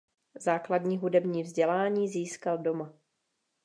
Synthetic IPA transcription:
zaːkladɲiːɦudɛbɲiːvzɟɛlaːɲiːziːskaldo̞ma

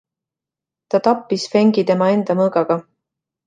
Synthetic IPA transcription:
t̪ɑt̪ɑpːisfeŋɡid̪e̞mɑe̞nd̪̥ɑmɤːɡɑɡ̥ɑ

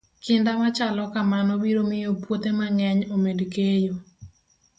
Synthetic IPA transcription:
kɪndamat͡ʃalɔkamanɔbiɾomɪjopwot̪emaŋɛɲomedkejo

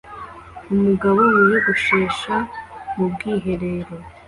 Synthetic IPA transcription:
umuɡaβo̞wijeɡuʃeːʃamubɡiːɦe̞ɾeːɾo̞

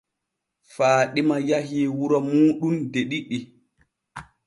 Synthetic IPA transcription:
faːɗimajaɦiːwuɾɔmuːɗundeɗiɗi

